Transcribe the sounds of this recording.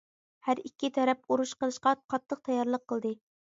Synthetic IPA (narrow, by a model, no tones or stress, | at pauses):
hæɾikʲːit̪ʰɛɾɛpuɾuʃqəlˠɨʃqɑqʰɑt̪ʰːəq̚t̪ʰɑjɑɾlˠəqʰːəlˠd̪ɨ